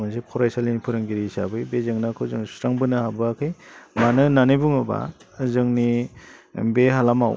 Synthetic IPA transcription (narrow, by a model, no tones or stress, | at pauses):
mansepʰɔɾajsalinipʰɯɾɯŋɡiɾisa̰bɯjbezɯŋnakʰɯzɯŋsɾaŋbɯnɯhabɯakʰɯjmanɯnanɯbuŋɯba̰zɯŋni | beɦalamaw